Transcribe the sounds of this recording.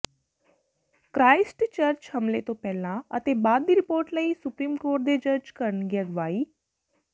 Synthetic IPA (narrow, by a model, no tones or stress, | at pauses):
kɾaɪsʈt͡ʃəɾt͡ʃhəmlet̪opɛlãət̪ebaːd̪ːiɾɪpoːɾʈləisupɾiːmkoːɾʈ̚d̪ed͡ʒəd͡ʒkəɾɳɡɛɡʋaːi